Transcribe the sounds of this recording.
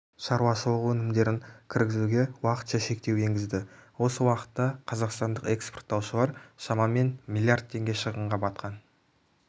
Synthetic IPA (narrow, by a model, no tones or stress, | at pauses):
ʃɑɾwɑʃəlˠəqwɵnɪmd̪e̞ɾɪŋkʲʰɪɾɡʲɪzuɡʲe̞wɑqə̥t̪ʃɑʃe̞k̚t̪e̞weŋɡʲɪzd̪ɪwo̞səwɑqə̥t̪ːɑqʰɑzɑqst̪ɑnd̪əqe̞ksport̪ːɑwʃəlˠɑɾʃɑmɑme̞nmʲilʲˠijard̪̚t̪ʰe̞ŋɡʲe̞ʃəʁəɴʁɑbɑt̪̚qʰɑn